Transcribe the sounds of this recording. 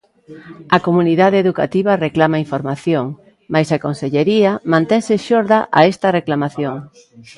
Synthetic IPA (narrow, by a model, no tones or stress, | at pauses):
ɐkomuniðaðeeðuka̰t̪iβ̞ɐreklamaiɱfoɾmaθjoŋ | majsakonseʎeɾiɐmãnt̪ɛŋsɪʃoɾðɐʔa̰est̪ɐreklamaθjoŋ